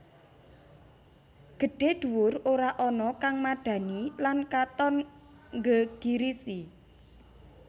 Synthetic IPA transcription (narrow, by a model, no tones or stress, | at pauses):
ɡ̥ə̤ɖ̥e̤d̪̥ṳwʊroɾaʔɔnɔkaŋmaɖ̥ä̤nilankat̪ɔn | ŋɡəɡ̥iɾisi